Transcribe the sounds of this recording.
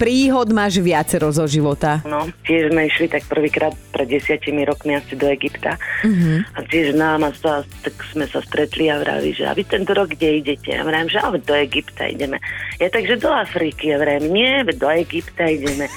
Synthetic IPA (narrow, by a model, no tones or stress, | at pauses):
pɾiːɦɔd̪maːʒʋɪat͡sɛɾɔzɔʒiʋɔt̪anɔcɪɛʒzmɛiʃlit̪ak̚pr̩ʋiːkɾaːt̪̚pɾʔɛd̪̚ɟɛsɪacimiɾɔkmiasid̪ɔɛɡipt̪aɦacɪɛʒznaːmasat̪akz̥mɛsast̪ɾɛt̪liaʋɾa̰lḭʒɛ̰a̰ʋit̪ɛnt̪ɔɾɔɡɡɟɛiɟɛcɛ̰a̰ʋɾaɛmʒɛa̰lɛd̪ɔɛɡipt̪a̰ḭɟɛmɛ̰jat̪aɡʒɛd̪ɔafɾikiaʋɾɛjɛmɲɪɛʋɛd̪ɔɛɡipt̪aiɟɛmɛ